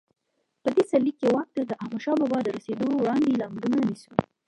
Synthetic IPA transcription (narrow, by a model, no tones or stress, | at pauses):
pəd̪esalːikːewɑk̚t̪əd̪əʔahmaʃɑbɑbɑd̪əɾased̪owɽɑnd̪elɑmlunanisu